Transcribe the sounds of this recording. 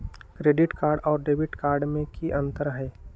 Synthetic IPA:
kɾeːɖɪʈkaːɾɖɔːɾɖeːbɪʈkaːɾɖmẽkiʔə̃nt̪əɾɦɛː

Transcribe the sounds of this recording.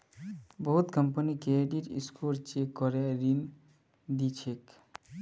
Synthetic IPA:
bəɦut̪kəmpənikeɖiʈḭskoɾt͡ʃekːɔɾeɾin | d̪it͡ʃʰek

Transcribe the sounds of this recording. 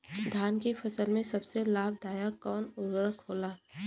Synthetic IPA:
d̪ʱaːnkefʰɐsəlmẽsɐbselaːb̚d̪aːjakɔːnʊɾwəɾəkɦoːlaː

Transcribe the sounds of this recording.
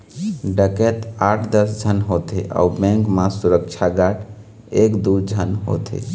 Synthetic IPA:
ɖəkɛt̪aʈʰd̪əsd͡ʒʱənɦot̪eʔa̰ubɛ̃ŋkmãsuɾəkt͡ʃʰaɡaʈʰ | ekd̪ud͡ʒʱənɦo̰t̪ḛ

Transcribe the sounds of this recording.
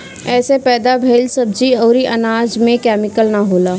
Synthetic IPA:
ɛːsepɛːd̪abʱeːlsɐb̚d͡ʒiɔːɾiʔɐnaːd͡ʒmẽkɛːmɪkəlnaɦoːlaː

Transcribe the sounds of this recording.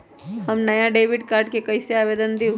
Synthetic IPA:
hɐmnɐjãɖeːʋɪɖkaːɾɖ̚kekɐiseaːʋeːd̪ənd̪i

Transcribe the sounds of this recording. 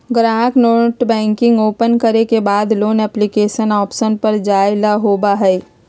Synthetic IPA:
ɡɾaːknoːʈbɛ̃ːŋkɪ̃ŋɡoːpənkəɾekebaːd̪loːnɛːplikeːʃənɔːpʃənpəɾd͡ʒaːɪlaɦoːbaɦɛː

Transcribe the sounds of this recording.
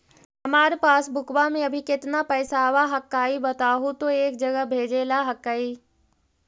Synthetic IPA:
ɦɐmaːɾepaːsbʊkʋamẽɐbʱikɪt̪napɛːsaʋaɦɐkːaːibɐt̪aːɦut̪oeːkd͡ʒɐɡəbʱeːd͡ʒeːlaɦɐkːaːiː

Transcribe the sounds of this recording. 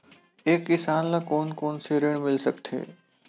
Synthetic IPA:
eːkːɪsaːnlakoːnkoːnseɾɪɳ̃mɪlsəkt̪ʰḛː

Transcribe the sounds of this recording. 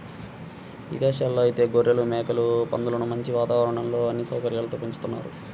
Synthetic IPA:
ḭːd̪ɛːʂjaːlːoːɐit̪e̞ːɡoɾːelumɛːkɐlupɐnd̪ulɐnumɐɲt͡ʃiʋaːt̪aːʋɐɾɐɳɐmlo̞ːɐnːisɐwkɐɾjaːlɐt̪oːpeɲt͡ʃu̥t̪unːa̰ːɾṵ

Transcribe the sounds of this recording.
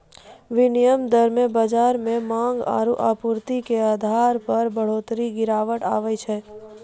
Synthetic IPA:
ʋɪnɪjəmd̪əɾmẽbəd͡ʒaːɾmẽmãːŋɡa̰ːɾuʔa̰ːpuɾt̪ikeaːd̪ʱaːɾpəɾbəɽ̤oːt̪ɾiɡɪɾaːʋəʈa̰ːʋɛjt͡ʃʰɛ

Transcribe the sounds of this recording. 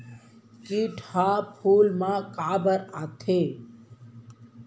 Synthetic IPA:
kiʈʰhaːpʰuːlmãkaːbəɾaːt̪ʰeː

